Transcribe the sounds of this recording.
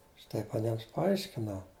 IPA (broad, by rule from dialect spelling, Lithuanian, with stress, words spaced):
ɐʃ ˈtɐɪp ɐˈnʲiɛms pɐˈɐɪʃʲkʲɪnɐʊ